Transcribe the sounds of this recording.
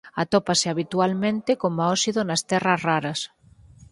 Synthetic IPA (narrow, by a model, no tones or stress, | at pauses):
at̪ɔpaseaβit̪ualmẽnt̪ekomaɔsiðonast̪ɛrazraɾɐs